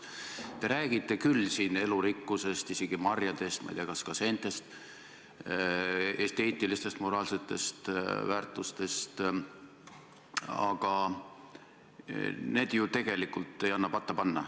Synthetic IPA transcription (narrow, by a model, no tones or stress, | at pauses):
t̪e̞ɾæːɡ̥it̪ːˑe̞kylːsiːne̞luɾikːuse̞st̪ise̞ɡ̥imɑrjɑd̪̥e̞st̪mɑ̰jd̪iɑkɑskɑse̞nt̪ːe̞st̪ | e̞st̪e̞ːt̪ːˑilist̪e̞st̪mo̞ɾɑːlse̞t̪ːˑe̞st̪væːrt̪ˑust̪e̞st̪ | ɑ̰ɡ̥ɑ | ne̞ːd̪̥jut̪e̞ɡ̥e̞likːult̪ˑːe̞jɑnːɑpɑt̪ːɑpɑnːɑ